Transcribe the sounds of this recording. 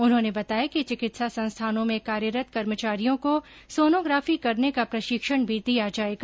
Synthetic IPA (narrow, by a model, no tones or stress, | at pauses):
ʊnɦõːnebɐt̪aːjakit͡ʃɪkɪt̪sasɐ̃nst̪ʰaːnõmẽkaːɾjəɾət̪̚kɐɾmət͡ʃaːɾijõko | soːnoːɡɾaːfikɐɾnekapɾɐʃɪkʃəɽ̃bʱid̪ijad͡ʒaːeːɡa